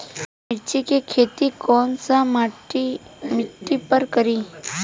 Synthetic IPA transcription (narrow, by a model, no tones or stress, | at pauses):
mɪɾt͡ʃikekʰeːt̪ikɔːnsamaʈimɪʈːipəɾkəɾiː